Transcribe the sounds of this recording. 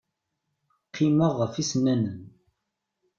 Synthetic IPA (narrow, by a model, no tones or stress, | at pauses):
qʰːiməʁːəfisnænən